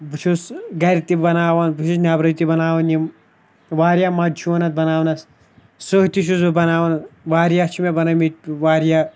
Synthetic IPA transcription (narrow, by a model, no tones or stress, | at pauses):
but͡ʃʰusɡɐɾit̪ibɐnaːʋɐnbut͡ʃʰusnʲaːbɾɐt̪ibɐnaːʋɐnim | ʋaːɾjamɐd͡ʒuɐnɐt̪̚bɐnaːwnɐs | soɦt̪iʃ̬usbɐnaːʋɐnʋaːɾʲjat͡ʃʰimebɐnɐmitʋaːɾja